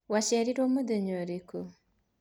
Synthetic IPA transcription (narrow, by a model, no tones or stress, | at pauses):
waʃɛɾiɾomod̪eɲoɾeko